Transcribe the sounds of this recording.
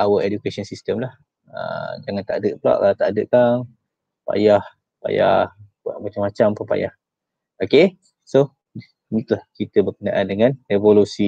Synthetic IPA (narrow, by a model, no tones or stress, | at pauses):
awəʔedukesɔnsist̪əmlah | ə̰d͡ʒaŋant̪aʔdəʔ̚pla̰ʔat̪aʔdəʔkaŋ | pa̰jah | pa̰ja̰h | ua̰ʔmat͡ʃamat͡ʃampəpa̰ja̰h | oke | so | nit̪lahkit̪əbərkənaʔandəŋãnevolusi